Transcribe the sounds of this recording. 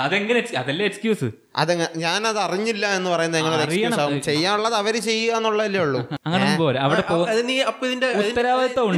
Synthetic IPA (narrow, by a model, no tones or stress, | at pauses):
ɐðeŋɡɐneksɐðɐlːeekskjuːsɨ | ɐ̰ðeŋːɐɲaːnɐðɨɐriɲːilːɐe̞nːɨpɐrɐjunːɐðeŋːɐɭoːɾerkijɐjunsaːʋumt͡ɕe̞jːaːnuɭːɐðɐʋɐɾet͡ɕe̞jːuɣɐenːuɭːɐðilːɐuɭːuɐŋːɐneboːleɐʋiɽepoːɐðiniɐpːðindeuðit̪ːɐɾaːʋɐɐt̪ːɐuɳɖ